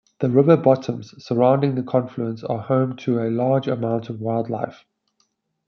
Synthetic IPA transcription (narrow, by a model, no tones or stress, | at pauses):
ðəɹɪvəbɒtʰə̃mz̥səɹãʊ̃ndɪ̃ŋðəkʰɒ̃ɱfluə̃nsə̰hə̃ʊ̃mtʰəəlɑːd͡ʒəmãʊ̃ntʰəvwaɪlˠdˡla̰ɪf